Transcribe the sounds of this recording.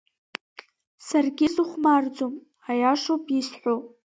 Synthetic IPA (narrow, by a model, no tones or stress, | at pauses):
sarɡʲɪzuχʷmard͡zom | ajaʂopʼisħʷo